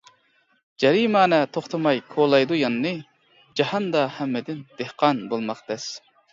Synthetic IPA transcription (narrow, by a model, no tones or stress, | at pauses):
d͡ʒɛɾimɑːnɛt̪ʰoχt̪ʰɑmɑjkʰolˠɑjd̪ujɑnːɨ | d͡ʒɑhɑnd̪ɑhɛmːɪd̪ɪnd̪̥ehqɑnbolˠmɑqb̪ɛs